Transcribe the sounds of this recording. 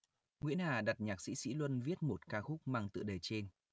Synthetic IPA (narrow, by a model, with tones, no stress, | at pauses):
ŋwḭ˧˥ənʔaː˨˩ɗa˨˩t̚ɲaː˨˩k̚sḭ˧˥sḭ˧˥lwə˧nvi˦˥ət̚mo˨˩t̚kaː˧xʊ˦˥k͡p̚maː˧ŋt̪ɨ̰˧˨ɗəː˨˩jt͡ɕe˧n